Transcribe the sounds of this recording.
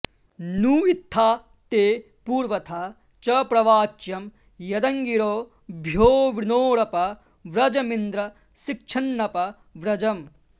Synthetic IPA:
nuːit̪ʰːaː | t̪eː | puːɾʋɐt̪ʰaː | t͡ʃɐpɾɐʋaːt͡ʃjɐm | jɐd̪ɐŋɡiɾoː | bʱjoːʋinoːɽɐpɐ | ʋɾɐd͡ʒɐmind̪ɾɐ | sik̚t͡ʃʰɐnːɐpɐ | ʋɾɐd͡ʒɐm

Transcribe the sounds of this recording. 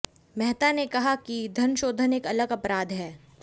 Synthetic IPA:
mɛɦt̪anekɐɦakid̪ʱɐnʃoːd̪ʱəneːkɐləɡɐpɾaːd̪ɦɛː

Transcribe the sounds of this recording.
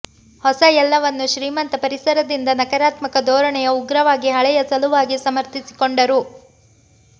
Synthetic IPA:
hɔsɐjɛlːɐʋɐnːuʃɾiːmɐnt̪ɐpɐɾisɐɾɐd̪ind̪ɐnɐkɐɾaːt̪mɐkɐd̪ɔːɾɐɳɛjɐuɡɾɐʋaːɡiɦɐɭɛjɐsɐluʋaːɡisɐmɐɾt̪isi̥koɳɖɐɾu

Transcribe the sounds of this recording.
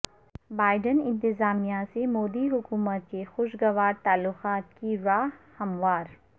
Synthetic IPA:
baːɪɖənɪ̃nt̪ɪzaːmijasemoːd̪iɦʊkuːmət̪̚kexʊʃɡɐʋaːɾt̪aːlːʊqaːt̪kiɾaːɦhɐmwaːɾ

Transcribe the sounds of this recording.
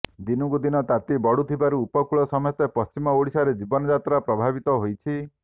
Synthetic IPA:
d̪inɔkud̪inɔt̪at̪ibɔɽut̪ʰibaɾuːpɔkuɭɔsɔmɔjɔt̪epɔst͡ʃimɔoɽisaɾed͡ʒibɔnɔd͡ʒat̪ɾapɾɔbʱabit̪ɔɦojt͡ʃʰi

